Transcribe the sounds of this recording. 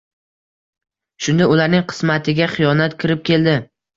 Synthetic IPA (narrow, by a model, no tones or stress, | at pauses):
ʃʊnd̪aʊlaɾnɪŋqʰɨ̥smat̪ʰɪɡʲaχɪjɒnat̪kʲʰɪɾɪp̚kʲe̞ld̪ɪ